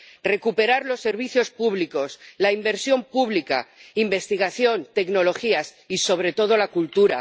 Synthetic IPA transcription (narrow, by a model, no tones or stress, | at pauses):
re̞kupe̞ɾaɾlo̞sːe̞ɾβ̞iθjo̞spuβliko̞slaimbe̞ɾsjo̞mpuβlika̰imbe̞st̪iɣ̞aθjo̞nt̪e̞kno̞lo̞xias | iso̞β̞ɾe̞t̪o̞ð̞o̞lakult̪uɾa̰